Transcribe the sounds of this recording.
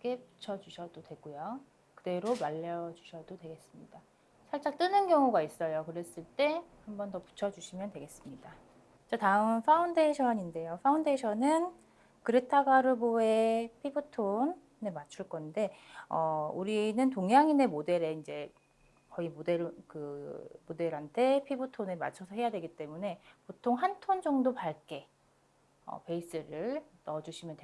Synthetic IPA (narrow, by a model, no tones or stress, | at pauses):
k͈e̞pu̥t͡ɕʰʌd͡ʑuɕʰʌdodwe̞ɡojo | kɯde̞ɾomaʎːʌd͡ʑuɕʰʌdodwe̞ɡe̞s͈ɯmɲid̥a | sʰaɭt͡ɕ͈akt͈ɯnɯnkjʌŋuɡais͈ʌjokɯɾe̞s͈ɯɭt͈e̞hambʌntʌpu̥t͡ɕʰʌd͡ʑuɕʰimjʌndwe̞ɡe̞s͈ɯmɲida | t͡ɕ͈ʌtaɯmmfʰaunde̞ɕʰʌɲinde̞jofʰaundeɕʰʌnɯn | kɯɾetʰaɡaɾɯboe̞pʰibutʰonː | e̞mat͡ɕʰuɭk͈ʌnde̞ʌuɾinɯnt̬oŋjaŋine̞mode̞ɾe̞ind͡ʑe̞ | kʌimode̞ɾkɯmode̞ɾɦantʰe̞pʰibutʰonema̰t͡ɕʰʌsʰʌɦe̞jadwe̞ɡit͈e̞mune̞potʰoŋɦantʰond͡ʑʌŋdopaɭk͈e̞ | ʌ̰pe̞is͈ɯɾɯɭnʌd͡ʑuɕʰimjʌntwe